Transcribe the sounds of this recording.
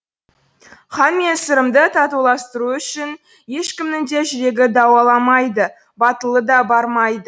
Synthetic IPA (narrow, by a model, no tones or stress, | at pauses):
χɑnmesɪɾəmd̪ət̪ʰɑt̪ulˠɑst̪əɾuʏʃɪn | je̞ʃkʲɪmnɪŋd̪e̞ʒɪɾe̞ɡʲɪd̪ɑwɑlˠɑmɑjd̪ə | bɑt̪əlˠəd̪ɑbɑɾmɑjd̪ə